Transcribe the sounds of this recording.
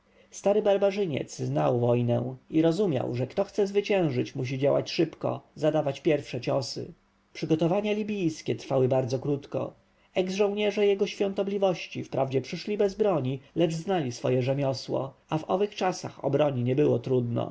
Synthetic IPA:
st̪aɾɘbaɾbaʐɘɲɛ̰t̪sznawvɔjnɛ̰w̃iɾɔzumʲja̰wʐɛkt̪ɔxt̪sɛzvɘt͡ɕɛ̃w̃ʐɘt͡ɕmuɕ̬id͡ʑawa̰t͡ɕʂɘpkɔ̰zad̪avat͡ɕpʲjɛɾfʂɛt͡ɕɔsɘ̰ | pʂɘɡɔt̪ɔvaɲalʲibʲijskʲɛt̪ɾfawɘbaɾd̪zɔkɾut̪kɔ̰ | ɛɡzʐɔ̃w̃ɲɛʐɛjɛɡɔɕfʲjɔ̃nt̪ɔblʲivɔɕt͡ɕifpɾʔavd͡ʑɛpʂɘʂlʲibɛzbɾɔɲilɛʐznalʲisfɔjɛʐɛmʲjɔswɔ̰avɔvɘxt͡ʂasa̰xɔ̰bɾɔɲiɲɛbɘwɔt̪ɾud̪nɔ̰

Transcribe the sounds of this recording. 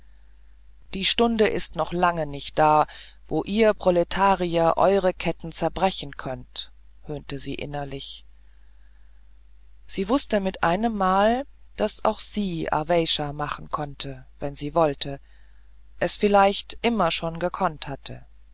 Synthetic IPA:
d̥iːʃtʊndəʔɪstnɔχlaŋənɪçt̚d̥aː | v̥oːʔiːɐpʁ̥ɔletʰaːʁiɐʔɔ̰ʏʁəkʰɛtn̩t͡sɛɐbʁɛçn̩kʰœnt | høːntəzḭːʔɪ̰nɐlɪç | z̥iːvʊstəmɪtʔa̰ɪnəmːaːl | d̥asa̰ʊxz̥iːa̰vɛɪʃamaχn̩kʰɔntʰəvɛnziːvɔltʰə | ʔɛsfɪlaɪçtʔɪmɐʃoːnɡəkʰɔnthatʰə̰

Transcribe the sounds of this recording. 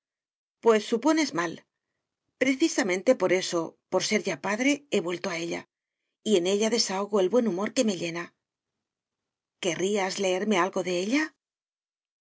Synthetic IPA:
pwe̞sːupo̞ne̞zmal | pɾe̞θisamẽ̞nt̪e̞po̞ɾe̞so̞po̞ɾse̞ɾʝapaðɾe̞e̞βwe̞lt̪o̞ae̞ʎa̰ | ie̞ne̞ʎaðe̞saoɣ̞oe̞lβwe̞numo̞ɾke̞me̞ʎe̞na | ke̞riazle̞eɾme̞alɣo̞ðe̞eʎa

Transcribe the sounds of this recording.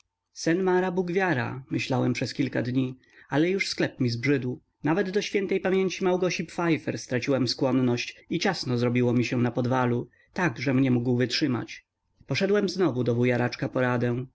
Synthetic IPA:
sɛnmaɾabuɡvʲjaɾa̰mɘɕlawɛmpʂɛskʲilkad̪ɲi | alɛjuʂsklɛpmʲizbʐɘd̪w | navɛd̪d̪ɔɕfʲjɛnt̪ɛjpamʲjeɲt͡ɕimawɡɔɕipfajfɛɾst̪ɾat͡ɕiwɛmskwɔnːɔɕt͡ɕit͡ɕasnɔzɾɔbʲiwɔmʲiɕɛnapɔd̪valu | t̪aɡʐɛmɲɛmuɡwvɘtʂɘma̰t͡ɕ | pɔʂɛd̪wɛmznɔvud̪ɔbujaɾat͡ʂkapɔɾad̪ɛ̃

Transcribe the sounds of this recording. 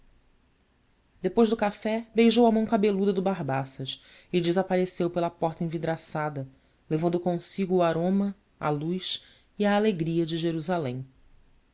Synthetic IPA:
d̪epojʒd̪ʊkafɛbejʒowɐmɐ̃w̃kabelud̪ɐd̪ʊbaɦbasɐʃ | ɪd͡ʒɪzapaɾesewpelɐpɔχt̪ɐẽvid̪ɾasad̪ɐ | levɐ̃nd̪ʊkõsiɡʊːaɾõmɐ | a̰lujʃ | iaːleɡɾiɐd͡ʒɪʒeɾuzalẽj̃

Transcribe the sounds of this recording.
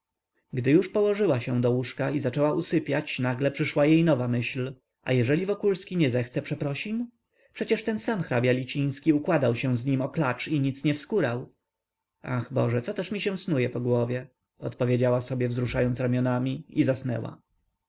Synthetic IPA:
ɡd̪ɘjuʂpɔwɔʐɘwaɕɛ̃d̪ɔwuʂkaizat͡ʂɛwaʔusɘpʲjat͡ɕnaɡlɛpʂɘʂwajejnɔvamɘɕl | ʔa̰jɛʐɛlʲivɔkulskʲiɲɛzɛxt̪sɛpʂɛpɾɔɕim | pʂɛt͡ɕɛʂt̪ɛnsamxɾabʲjalʲit͡ɕij̃skʲiukwad̪awɕɛ̃zɲimɔklat͡ʂiɲit̪sɲɛfskuɾaw | axbɔ̰ʐɛt̪sɔt̪ɛʂmʲiɕɛ̃w̃snujɛpɔɡwɔvʲjɛ | ɔ̰t̪pɔvʲjed͡ʑawasɔbʲjɛvzɾuʂajɔnt̪sɾamʲjɔnamʲiizasnɛ̰wa̰

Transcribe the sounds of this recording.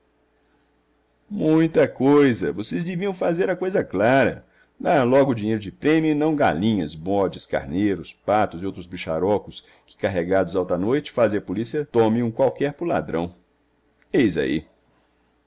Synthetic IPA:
mũj̃t̪ɐkojzɐvosezd͡ʒɪviɐ̃w̃fazeɾɐkojzɐklaɾɐ̰ | d̪alɔɡʊd͡ʒĩɲejɾʊd͡ʒɪpɾẽmjʊɪnɐ̃w̃ɡa̰lĩɲɐsbɔd͡ʒɪska̰ɾnejɾʊspat̪ʊzɪowt̪ɾʊzbiʃa̰ɾɔkʊs | kɪ̥kaɦeɡad̪ʊzawt̪ɐnojt͡ʃɪ̥fazẽj̃ɐpolisiɐt̪õmɪ̃ũkwawkɛɾpʊla̰d̪ɾɐ̰̃w̃ | ejza̰ḭ

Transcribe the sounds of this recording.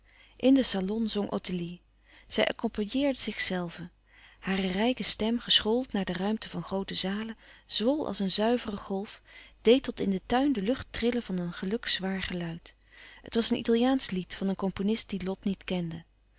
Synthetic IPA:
ʔɪndəsalɔnzɔŋʔo̰tɪli | z̥ɛjʔɑ̰kɔmpajɪːɹdəzɪχsɛlˠvə | haːrərɛjkəstɛmχəsχoːlˠtnaːɹdərœɥmtəvɑnχrowtəzaːləz̥ʋɔlˠʔɑ̰lˠsənzœɥvərəχɔlˠfd̥ejtɔtɪndətœɥndəlɵχtrɪləvɑnənχəlɵksʋaːɹχəlœɥt | ɦətʋɑsənʔḭtɑlˠijaːnslitfɑnənkɔmponɪst̚d̥ilɔtnitkɛndə

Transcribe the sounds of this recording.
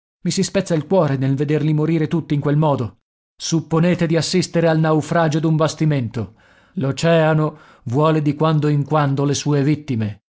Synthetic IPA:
misispɛt̪sːailkwɔːɾenelved̪erlimoɾiːɾet̪ut̪ːiŋkwelmɔːd̪o | supːoneːt̪ed̪iasːist̪eɾealnawfɾaːd͡ʒod̪umbast̪iment̪o | lot͡ʃɛːano | vwɔːled̪ikwand̪oiŋkwand̪olesuːevit̪ːime

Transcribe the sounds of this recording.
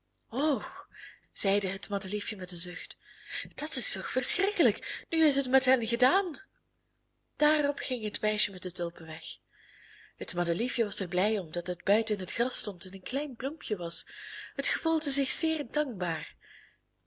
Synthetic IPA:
ox | z̥ɛjdəɦətmɑdəlifjəmɛtənzɵxt | d̥ɑtɪstɔxfərsxrɪkələknyɪs̬ɦətmɛtɦɛnɣədaːn | d̥aːrɔpxɪŋɦətmɛjʃəmɛtətowpəʋɛx | hətmɑdəlifjəʋɑzərblɛjɔmdɑtɦəd̚bœɥtəɪnɦətxrɑstɔntɛnənklɛjnplumpʰjəʋɑsɦətxəvulˠdəzɪxz̥ɪːrdɑŋk̚baːr

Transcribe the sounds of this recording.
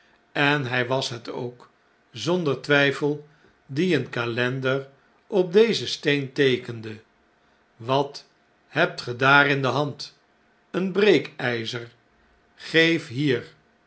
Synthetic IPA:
ɛnɦɛjʋɑsɦəto̰wk | zɔndəɹtʋɛjfəlˠ | diənkalɛndəɹ | ɔp̚dejzəstejntejkəndə | ʋɑt | hɛp̚tχədaːrɪndəɦɑnt | ənbrejkɛjzər | χejfɦiːr

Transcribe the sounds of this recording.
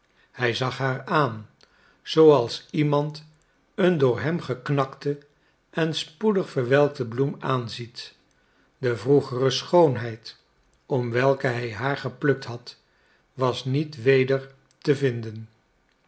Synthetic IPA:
hɛjzɑχɦaːɹaːn | z̥owɑlˠsimɑnt | əndʊːɹɦɛmχəknɑktə | ɛnspudəχfəɹʋɛlˠk̚təblumaːnzit | dəvruχərəsχownɦɛjt | ɔmʋɛlˠkəɦɛjɦaːɹχəplɵk̚tɦɑt | ʋɑsnitʋejdəɹ | təvɪndən

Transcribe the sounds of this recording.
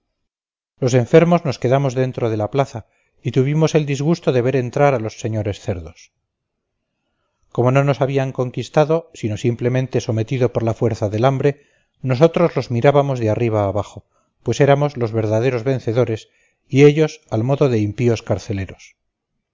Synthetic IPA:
lo̞se̞ɱfe̞ɾmozno̞ske̞ðamo̞zðe̞nt̪ɾoð̞e̞laplaθa | it̪uβ̞imo̞se̞ld̪izɣust̪o̞ðe̞βe̞ɾe̞nt̪ɾaɾalo̞sːe̞ɲo̞ɾe̞sθe̞ɾðo̞s | ko̞mo̞no̞no̞saβiaŋko̞ŋkist̪aðo̞sino̞simple̞mẽ̞nt̪e̞so̞me̞t̪iðo̞po̞ɾlafwe̞ɾθaðelambɾe̞ | no̞s̬o̞t̪ɾo̞zlo̞zmiɾaβamo̞zðeariβ̞aːβaχo̞ | pwe̞se̞ɾamo̞zlo̞zβe̞ɾðaðe̞ɾozβe̞nθe̞ðo̞ɾe̞s | ieʎo̞salmo̞ðoðe̞impio̞skaɾθe̞le̞ɾo̞s

